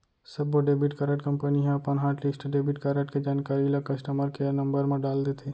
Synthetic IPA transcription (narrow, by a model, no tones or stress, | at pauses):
sɐbʋoɖeːbiʈkəɾəʈkɐ̃mpəniɦɛ̃ɐpənɦaːʈlɪsʈɖeːbiʈkɐɾəʈked͡ʒaːnkaːɾilakɐsʈəməɾkenɐ̃mbəɾmẽɖaːld̪eːt̪ʰe